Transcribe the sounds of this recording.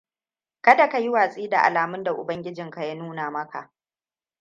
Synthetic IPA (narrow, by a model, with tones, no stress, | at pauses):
kɐ˦da˨ka˨ji˦waː˨sʼiː˦da˨ʔa̰˨laː˨mʊ˦nda˨ʔʊ̰˨bɐ˦ŋɡʲɪ˦d͡ʒɪ˨ŋka˨ja˦nuː˦naː˨mɐ˦ka̰˨ʔ